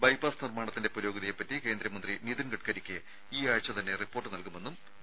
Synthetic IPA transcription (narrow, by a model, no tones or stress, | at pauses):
bɐjpaːsnirmaːɳɐt̪ːinde̞puɾo̞ːɡɐðijepːɐtːike̞ːnd̪ɾɐmɐnd̪riniðunɡɐʈkɐɾikʲːɨ | iːaːɻt͡ɕːɐt̪ɐnːe̞ripːo̞ːrʈːɨnɐlkume̞nːum